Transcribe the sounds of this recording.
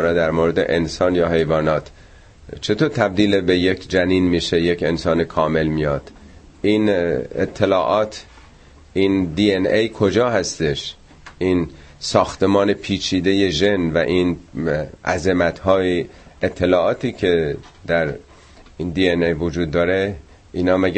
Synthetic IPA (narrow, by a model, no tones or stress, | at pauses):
ɾɒd̪æɾmoːɾed̪e̞̰ʔensɒːnjɒːɦe̞jvɒːnɒːt̪ʰ | t͡ʃʰe̞t̪ʰoːt̪ʰæb̚d̪iːlebejekʰd͡ʒæniːnmiːʃe̞jekʰensɒːnekʰɒːme̞lmijɒːd̪̥ | iːnet̪ʰːe̞lɒːʔɒːt̪ʰ | ʔind̪iːenejkʰod͡ʒɒːhæst̪eʃ | ʔiːn | sɒːxt̪e̞mɒːnepʰiːt͡ʃʰiːd̪e̞je̞ʒe̞nvæ̰ʔiːn | ʔæ̰zemæt̪hɒːjiet̪ʰːe̞lɒːɒːt̪iːcʰe̞ | d̪̥æɾ | ind̪iːenejvod͡ʒuːd̪ːɒːɾe̞ | ʔiːnɒːmæɡ